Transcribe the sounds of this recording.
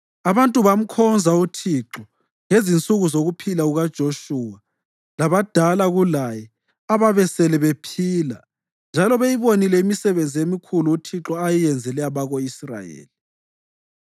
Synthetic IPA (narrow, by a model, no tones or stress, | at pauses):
aβantʼuβam̩kʰɔnd͡zʱautʰiǁɔ | ŋezint͡sʼuɣuzoɣupʰilauɣad̥ʒ̥ʱoʃuːa | laβad̥ʱalaɣulajɛ | aβaβɛsɛlɛβepʰiːla̰ | nd͡ʒʱalɔβejiβonilɛimisɛβend͡zʱijemikʰuluːtʰiǁɔajijɛnd͡zʱɛlɛaβaɣoisra̰jḛːli